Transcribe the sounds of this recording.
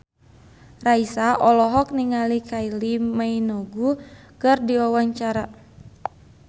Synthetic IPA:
raisaʔɔlɔɦɔk̚niŋalikailimainɔɡukɨrdiɔwaɲt͡ʃaɾa

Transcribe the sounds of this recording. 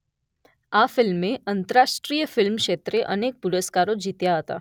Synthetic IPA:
afɪlmeʔənt̪əɾaʃʈɾijəfɪlmkʃet̪ɾeʔənek̚puɾəskaɾod͡ʒit̪jaɦət̪a̰

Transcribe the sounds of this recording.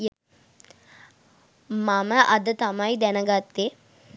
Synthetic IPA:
mamɐʔɐd̪ɐt̪amaːjid̪ɛnɐɡaːt̪ːe

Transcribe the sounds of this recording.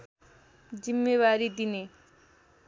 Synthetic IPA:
d͡zimːewaɾid̪ine

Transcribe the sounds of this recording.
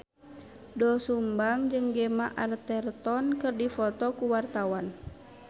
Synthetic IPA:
dɔsumbaŋd͡ʒəŋɡɛmaʔart̪ɛrt̪ɔnkɨrdifɔt̪ɔkuwart̪awan

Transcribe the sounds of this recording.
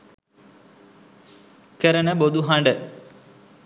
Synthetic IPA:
kəɾənəbod̪uɦaɳɖə

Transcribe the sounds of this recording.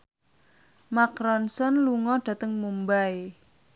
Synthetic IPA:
makɾɔnsɔnluŋɔɖ̥ä̤t̪əŋmumbae

